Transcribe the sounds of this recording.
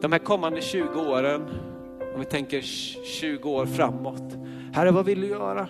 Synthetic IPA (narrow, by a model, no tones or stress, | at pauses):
d̪̥ɔmhæːɾkʰɔmːand̪əɕʉ̟ːɡəoːɾən | ɔmvɪt̪ʰɛŋkəɾ | ɕʉ̟ːɡəoːɾfɾamːɔt̪ | hæɾːəvavɪld̪ɪjœːɾa